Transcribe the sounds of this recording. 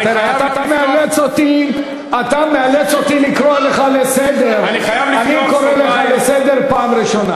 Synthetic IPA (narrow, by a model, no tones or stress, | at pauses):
t̪iɾeat̪at̪amealet͡sot̪i | at̪amealet͡so̞t̪ilikɾoleχalesed̪eɾniajvaniko̞ɾeleχalesed̪e̞ɾpaːmɾiʃona